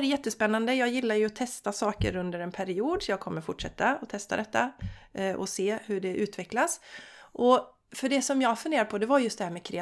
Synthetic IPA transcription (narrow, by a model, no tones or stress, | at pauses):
ɾjɛt̪ːəspɛnːand̪əjɑːɡjɪlːaɾjɵɔt̪ʰɛst̪asɑːkə̰ɾɵnd̪əɾɛnpʰæɾɪuːd̪jɑːɡ̚kʰɔmːəɾfʊʈʂɛt̪ːaɔt̪ʰɛst̪a̰d̪ɛt̪ːa | ʔɔ̰seːhʉɖɛʔʉ̟ːt̪vɛklasʔɔ | fœɖɛsɔmjɑːɡfɵneːɾd̪pʰɔd̪ɛvaɾjɵst̪d̪ɛhæːɾmɛkʰɾɛ